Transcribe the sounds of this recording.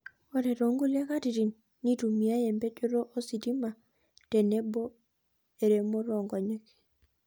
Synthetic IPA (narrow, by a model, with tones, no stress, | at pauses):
ɔ˦ɾɛ˨ɾo˨ŋɡu˦lɛ˦ka˦ti˨ɾi˨nː | i˦tu˨mi˨a˦jɛ˨mbɛ˦t͡ʃo˦ɾo˦ʔo˦si˨di˦ma˨ | tɛ˨ne˦bɔ˦ | e˨ɾe˨mo˦ɾɔ˨ŋɡɔ˨ɲe˦k